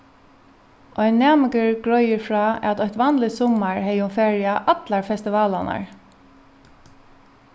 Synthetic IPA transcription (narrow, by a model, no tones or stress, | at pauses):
ʔɔjnːɛːmɪkəɹɡɹɔjɪɹfɹaːat̪ɔht̪ʋanlɪsɔmːaɹɦɛjʊnfɛːɹɪaʔat̪laɹfɛst̪ɪʋaːla̰na̰ɹ